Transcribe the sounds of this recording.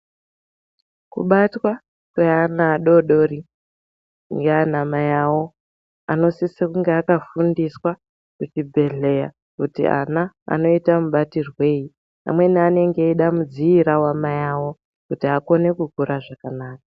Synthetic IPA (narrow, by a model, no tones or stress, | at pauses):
kṵɓatwa | kweanaːɗo̞ɗo̞ɾi | ŋɡeanamajawo̞ | ano̞sisikuŋɡeakafundiswa | kut͡ʃibʱe̞ɮe̞ja | kutḭa̰na | a̰no̞itamuɓatirwe̞ːji | a̰mwe̞niane̞ŋɡe̞iɗamud͡ziiɾawamajawo̞ | kutiako̞ne̞kukuɾaʐakanaːkḁ